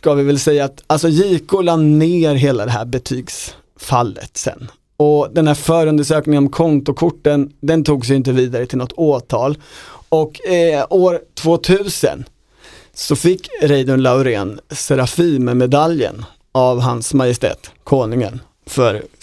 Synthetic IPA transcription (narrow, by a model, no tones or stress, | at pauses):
skavɪvɪlsɛjːaːt̪als̬ɔjiːkːʊlanneːɾɦeːlad̪ɛɦæ̰ːɾbɛt̪ʰyːɡs | falːə̰t̪sɛ̰nː | ɔd̪ɛnhæːɾfœːɾɵnd̪əʂøːknɪŋənɔmkʰɔnt̪ʊkʰʊʈːənd̪ɛnt̪ʰuːɡs̬ɛjɪnt̪̬əviːd̪aɾət̪ʰɪlnɔt̪ːoːt̪ʰɑːlɔkoːɾt̪ʰvoːt̪ʰʉ̟ːsə̰n | sɔfɪkːɾɛjd̪ɵɳlaʊɾeːnsɛɾafiːmmɛd̪aljə̰n | avɦansmajɪst̪ɛ̰ːt̪kʰoːnɵŋə̰n | fœ̰ɾ